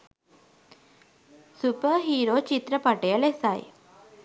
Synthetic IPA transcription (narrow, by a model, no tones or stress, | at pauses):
supəɦiːɾoːt͡ʃit̪ɾəpaʈejəlesaj